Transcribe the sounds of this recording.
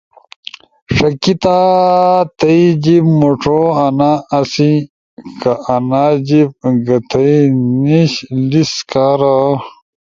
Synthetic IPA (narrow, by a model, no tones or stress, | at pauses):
ʂɐkit̪a | t̪ɐid͡ʑibmoʈ͡ʂʰoɐnaːsi | kɐʔːnad͡ʑib̚ɡɐt̪ʰɐiniɕliskaɾa